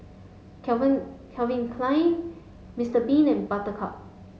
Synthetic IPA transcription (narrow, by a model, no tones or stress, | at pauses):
kʰɛvĩnkʰlãj̃n | mɪstəbĩnɛ̃nbatəkʰɔ̰p̚